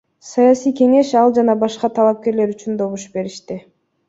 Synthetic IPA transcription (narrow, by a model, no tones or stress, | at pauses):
sajasijke̞ŋe̞ʃɑlˠd͡ʒɑnɑbɑʃqɑt̪ʰɑlˠɑp̚ke̞ɾle̞ɾyt͡ʃynd̪o̞βuʃbe̞ɾiʃt̪i